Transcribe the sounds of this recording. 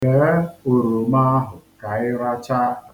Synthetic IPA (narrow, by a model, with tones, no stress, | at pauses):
e˨ɾe˦u˨ɾu˨ma˦a˦ɦʊ˨ka˨ɪ˦ɾa˦t͡ʃa˦